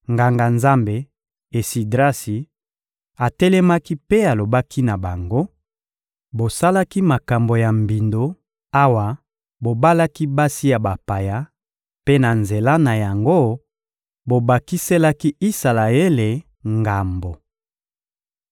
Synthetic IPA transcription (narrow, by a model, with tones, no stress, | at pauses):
ŋɡa˨ŋɡa˨nza˦mbe˨ | e˨si˨dʁa˦si˨ | a˨tɛ˦lɛ˦ma˦ki˦pe˦a˨lo˨ba˦kʰi˦na˨ba˨ŋɡo˦ | bo˨sa˦la˦ki˦ma˨ka˨mbo˨ja˨mbi˨ndo˦ | a˦wa˨ | bo˨ba˦la˦ki˦ba˦si˦ja˨ba˨pa˨ja˦ | pe˦na˨nze˨la˦na˨ja˨ŋɡo˦ | bo˨ba˨ki˦se˦la˦ki˦i˦sa˨la˨e˦le˨ | ŋɡa˨mbo˨